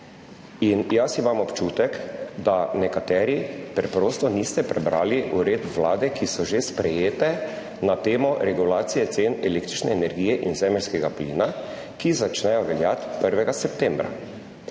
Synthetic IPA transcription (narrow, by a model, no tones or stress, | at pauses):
injasimamɔpt͡ʃuːt̪ɛkd̪anɛkat̪ɛːɾipɾɛpɾoːst̪ɔnist̪ɛpɾɛbɾaːliʔuɾeːd̪ʋlaːd̪ɛkʰisɔʒespɾɛjeːt̪ɛ | nat̪eːmɔɾɛɡulaːt̪sijɛt̪senɛleːkt̪ɾit͡ʃnɛːnɛɾɡijɛʔinzɛmɛlʲskɛɡaplḭːna | kizat͡ʃnɛjɔʋɛljat̪pəɾʋɛɡasɛpt̪ɛmbɾa̰